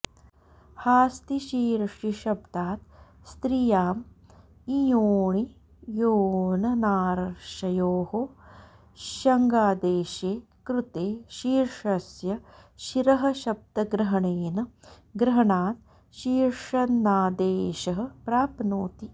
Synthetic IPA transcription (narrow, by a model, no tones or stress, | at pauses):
haːst̪iʃiːɾʂiʃɐb̚d̪aːt̪̚ | st̪ɾijaːm | ijoːɳi | joːnɐnaːɾɐɾʃɐjoːho | ʃɐŋɡaːd̪eːʃeː | kɾut̪eːʃiːɾʂɐsjɐʃiɾɐɦɐ̆ʃɐb̚d̪ɐɡɾɐɦɐɳeːnɐ | ɡɾɐɦɐɳaːt̪̚ | ʃiːɾʂɐnnaːd̪eːʃɐɦɐ̆pɾaːpnoːt̪i